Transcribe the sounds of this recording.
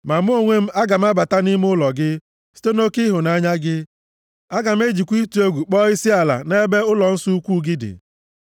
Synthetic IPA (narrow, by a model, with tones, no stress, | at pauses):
ma˨m˦o˦ŋʷe˦m̩˦a˦ɡa˨m̩˦a˦ba˨ta˦ni˦m˦ʊ˦lɔ˨ɡɪ˦ | si̥˦te˦no˦kɪ˦ɦʊ˨na˦ɲa˦ɡɪ˦ | a˦ɡa˨m̩˦e˦d͡ʒi˨kʷi˦tu˨o˦ɡʷu˨k͡pɔ˦ɪ˦sɪ˦a˨la̰˨ne˦be˦ʊ˦lɔ˨n̩˦su˦u˦kʷu˦ɡɪ˦dɪ̰˨